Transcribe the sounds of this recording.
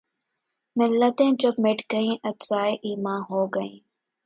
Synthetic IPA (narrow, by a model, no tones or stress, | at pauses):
mɪlːət̪ẽːd͡ʒokmɪʈɡəĩːʔət̪zaːeʔiːmãːɦoːɡəĩː